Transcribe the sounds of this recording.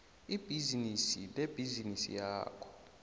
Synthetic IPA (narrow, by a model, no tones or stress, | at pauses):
ib̥ʱizinisileb̥ʱizinisḭjaːkʰɔ̥